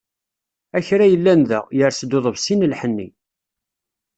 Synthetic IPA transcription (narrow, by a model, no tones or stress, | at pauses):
æçɾæjəlːænðæ̰ʁjəɾsd̪ʊðˤəvsinəlħənːḭ